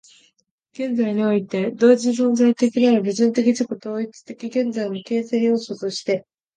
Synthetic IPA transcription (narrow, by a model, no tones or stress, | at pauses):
ɡ̥ẽ̞nd͡zaiɲ̟io̞it̪e̞d̪o̞ːd͡ʑisõnzait̪e̞kʲinaɾɯbɯ̟ʑĩnt̪e̞kʲid͡ʑikot̪o̞ːit͡sɨ̥t̪e̞kʲiɡẽ̞nd͡zainoke̞ːsẽjoːso̞t̪o̞ɕi̥t̪e̞